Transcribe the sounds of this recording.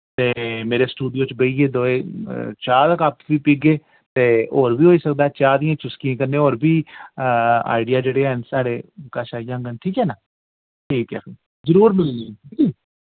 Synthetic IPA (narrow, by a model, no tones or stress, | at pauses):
t̪eːmeːɾeːsʈuːɖijoːt͡ʃbəiːɡeːd̪oːeːt͡ʃaːt̪əkaːpʋiːpiːɡeː | t̪eːoːɾbiːɦoːiːsəkd̪aːt͡ʃaːd̪ĩjãːt͡ʃʊskiãːkəɾneːoːɾbiː | a̰ːɪɖɪjaːd͡ʒeːɽeːɛənsaːɽeːkaːʃaːijãːɡənʈʰiːkɦɛːnaː | ʈʰiːkɛːkː | zəɾuːɾmɪlniiiː